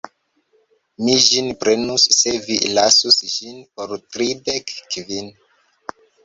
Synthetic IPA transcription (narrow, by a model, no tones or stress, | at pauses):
mid͡ʒinpɾe̞nusːe̞vilasusʒinpo̞ɾtɾidekkvin